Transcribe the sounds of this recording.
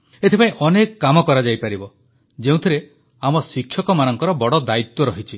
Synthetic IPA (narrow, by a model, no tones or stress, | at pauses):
et̪ʰepaĩʔɔnekɔkamɔkɔɾad͡ʒajpaɾibɔ | d͡ʒeũt̪ʰiɾe | amɔsikʰːjɔkɔmanɔŋkɔɾɔbɔɽɔd̪ait̪wɔɾɔɦit͡ʃʰi